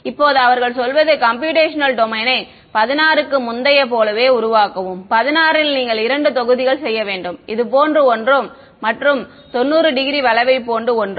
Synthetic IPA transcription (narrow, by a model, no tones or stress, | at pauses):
ɪpːoːðɯɐʋɐɾɣɐɭsɔlʋɐðɯkɐmp̬juːʈeːʂɐnɐlɖɔmɐɪnɐɪ | pɐðɪnaːɾɯkːɯmʊnd̪ɐjɐpoːlɐʋeːʊɾʊʋaːkɐʋɯmpɐðɪnaːɾɪlniːŋɡɐɭɪɾɐɳɖɯt̪ɔɣɯðɪɣɐɭsɛjːɐʋeːɳɖɯmɪðɯpoːndrɯɔndrɯmː | ɐʈrɯm | t̪ɔnːuːɾɯɖɪɣɪɾiʋɐlɐʋɐɪpːoːnɖɯɔndrɯ